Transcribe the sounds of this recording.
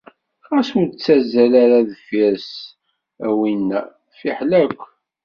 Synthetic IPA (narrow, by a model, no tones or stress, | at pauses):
ʁæsmt͡sːæzælaɾaðfiɾs | æwinːæ | fiħlækʷː